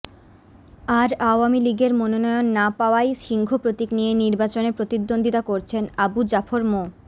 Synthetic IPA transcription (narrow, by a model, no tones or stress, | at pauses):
aɾaowamiliɡeɾmononɔjonːapaoajʃiŋkʰopɾot̪iknijeniɾbat͡ɕoneɾpɾot̪id̪ːond̪ʱit̪akoɾt͡ɕʰenabud͡ʑafʰoɾmo